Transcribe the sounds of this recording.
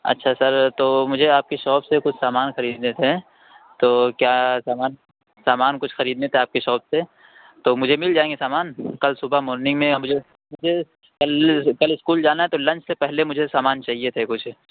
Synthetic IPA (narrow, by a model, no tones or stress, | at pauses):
ɐ̰tːʃʰasɐɾt̪oːmʊd͡ʒʱeaːp̚keʃɔːbsekʊt͡ʃʰsaːmaːnxɐɾiːd̪net̪ʰe | t̪oːkjaːsaːmaːn | saːmaːnkʊt͡ʃʰxɐɾiːd̪net̪ʰeaːp̚keʃɔːbse | t̪oːmʊd͡ʒʱemɪld͡ʒaːẽːŋɡesaːmaːnkɐlsʊbamɔːɾnɪ̃ŋɡmẽmʊd͡ʒʱe | mʊd͡ʒʱe | kɐlkɐlɪskuːld͡ʒaːnaɦɛt̪olɐ̃nt͡ʃʰsepɛɦlemʊd͡ʒʱesaːmaːnt͡ʃaːɦiet̪ʰekʊt͡ʃʰ